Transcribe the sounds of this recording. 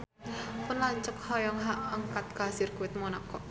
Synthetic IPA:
pʊnlaɲt͡ʃək̚hɔjɔŋɦaʔəŋkat̪̚kasɪrkuwɪt̪̚mɔnɔkɔʔ

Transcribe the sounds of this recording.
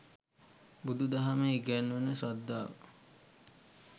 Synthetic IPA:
bud̪ud̪aɦameːɡænːənəsad̪ːaːʋə̰

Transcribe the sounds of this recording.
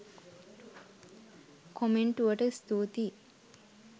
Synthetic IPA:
kʰomeɳʈuʋəʈəst̪uːt̪i

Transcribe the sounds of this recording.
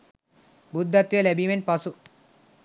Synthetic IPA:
bud̪ːat̪ːjelebimenʈpasu

